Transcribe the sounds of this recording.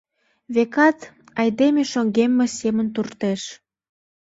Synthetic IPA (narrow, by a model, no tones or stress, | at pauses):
βekɑt̪ | ɑjd̪emeʃoŋɡemːesemənt̪urt̪eʃ